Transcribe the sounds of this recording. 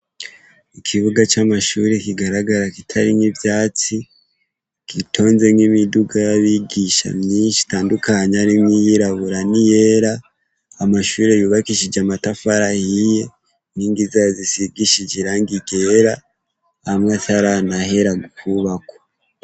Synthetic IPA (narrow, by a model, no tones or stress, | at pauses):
ikʰiβuɡat͡ʃamaʃuɾekiɡaɾaɡaɾakitʰaɾiŋivjaːt͡si | kitʰo̞ːnze̞mŋimiduɡajaβiɡiʃa̰mɲiːnʃi̥taːndukaɲaɾimŋijiɾaβuɾanije̞ɾaː | maʃuːɾe̞juːβakiʃid͡ʒamatafaɾahije̞ | niːŋɡizazisiɡiʃid͡ʒiɾaŋɡiɡe̞ɾaː | mŋasaɾanahe̞ɾaɡukʰuβako̥